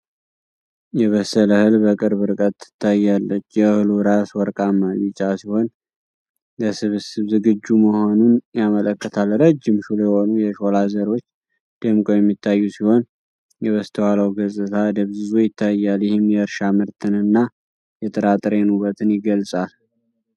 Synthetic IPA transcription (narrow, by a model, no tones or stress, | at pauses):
jɛβəsələhɨlbəkʼɨɾβɨɾkʼət̪ːɨ̥t̪ʰːajːalːət͡ʃːjɛhɨluɾaswɔɾkʼamːəlɨt͡ʃʼasiho̞n | ləsɨβsɨβzɨɡɨd͡ʒːuməho̞nunjamələkːət̪ʰalɾəd͡ʒːɪmʃuljɛho̞nujɛʃo̞lazəɾo̞t͡ʃː | d̪̥ɨmkʼojɛmːit̪ʰːajːusiho̞n | jɛβəst̪ʰəwaləwɡəsʼɨt̪ʰad̪əβzɨzojɪt̪ʰːajːaljɪhɪmjɛɨɾʃamɨɾt̪ʰɨnɨnːa | jɛt̪ʼəɾat̪ʼɾenuβət̪ʰɨnjɪɡəlsʼal